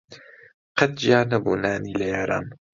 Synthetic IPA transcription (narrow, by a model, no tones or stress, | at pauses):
qɐt̪̚d͡ʒiaːnɐbṵːnaːniːlɐjaːɾa̰ːn